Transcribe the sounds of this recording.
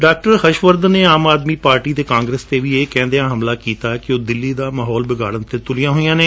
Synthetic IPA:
ɖaːk̚ʈəɾhəʃʋəɾd̪neːaːmaːd̪miːpaːɾʈiːd̪eːkãːŋɡɾeːst̪eːʋiːeːkɛ̃ːnd̪eãːɦəmlaːkiːt̪aːɛkɪoːd̪ɪlːiːd̪aːmaːɦɔːlbɪɡa̰ːɽənt̪eːt̪ʊlijãːɦoːijãːneː

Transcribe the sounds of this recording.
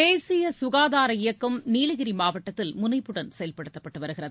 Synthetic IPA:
eːsɪjɐsʊɣaːðaːɾɐɪjɐkːɐmniːlɐɣɪɾimaːʋɐʈːɐt̪ːɪlmʊnɐɪpːɯɽɐnsɛjɐlpɐɽɯt̪ːɐpːɐʈːɯʋɐɾɯɣɪrɐðɯ

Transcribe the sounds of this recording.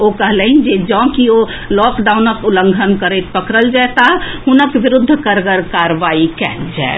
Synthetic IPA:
okəɦleɦind͡ʒed͡ʒɔ̃ːkio | lɔːkɖaunəkʊləŋɡʱənkəɾet̪̚pəkɾəld͡ʒaɛt̪aɦɦʊnəkʋɪɾʊd̪ʱːkəɾkəɾkaɾʋaːikɛːld͡ʒa̰ɛ

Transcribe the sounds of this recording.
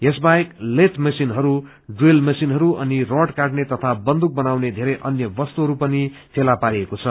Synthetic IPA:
esbaeklet̪ʰmʌsinɦʌɾu | ɖrelmʌsinɦʌɾuʌniroʈkaʈnet̪ʌt̪ʰabʌnd̪uk̚bʌnawned̪ʱeɾʌjʔʌnjʌbʌst̪uɦʌɾupʌnipʰelapaɾiekot͡sʰʌ

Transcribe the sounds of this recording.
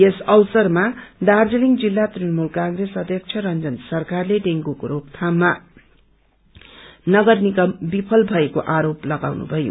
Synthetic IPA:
esʌwsʌrmad̪ard͡zeliŋd͡zilːat̪rinʌmulkaŋresʌd̪ʱjʌk̚t͡sʰʌɾʌnd͡zʌnsʌrkarleɖeŋɡukoɾob̚t̪ʰamːa | nʌɡʌrnikʌmbipʰʌlbʱʌekoʔaɾoplʌɡawnṵbʱʌjo̰

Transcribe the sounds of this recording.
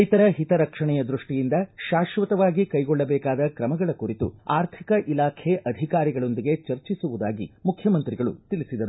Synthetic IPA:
jt̪ɐɾɐɦit̪ɐɾɐkʂɐɳɛjɐd̪ɾuʂʈijind̪ɐʃaːʃʋɐt̪ɐʋaːɡikɐjɡɔɭːɐbɛːkaːd̪ɐkɾɐmɐɡɐɭɐkuɾit̪ṵaːɾt̪ʰikɐʔilaːkʰeʔɐd̪ʱikaːɾiɡɐɭo̞nd̪iɡet͡ʃɐɾt͡ʃisuʋud̪aːɡimukʰjɐmɐnt̪ɾiɡɐɭṵt̪ilisid̪ɐɾu

